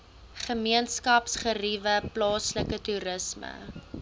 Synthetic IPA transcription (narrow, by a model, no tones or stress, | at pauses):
χəmiənskɐpsχərivəplɑːsləkətuɾəsmə̰